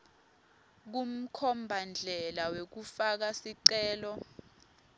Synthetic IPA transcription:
k̬um̩kʰɔmbʱand͡ɮʱɛlawek̬ufak̬asiǀɛːlɔ

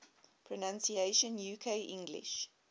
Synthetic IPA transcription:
pʰɹɔnãnsieɪʃə̃njuːkʰeɪʔɪ̰̃ŋɡlḭʃ

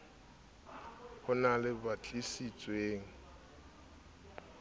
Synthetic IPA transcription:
hʊnalɪbat͡ɬʼisit͡sʼweːŋ̩

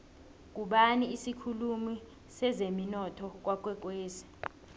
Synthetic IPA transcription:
k̬ʼuɓaniisikʰulumi | sɛzeminɔtʰɔk̬wak̬ʼwɛk̬ʼweːsi̥

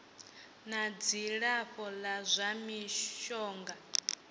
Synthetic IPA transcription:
nad͡ziɺaɸɔlazʷamiʃɔːŋɡa

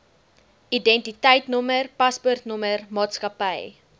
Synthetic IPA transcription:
idɛntitəjtnɔmərpɐspɔrtnɔmərmɑːtskɐpəj

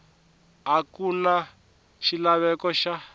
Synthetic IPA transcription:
ɦakuna | ʃilaβɛkɔʃa

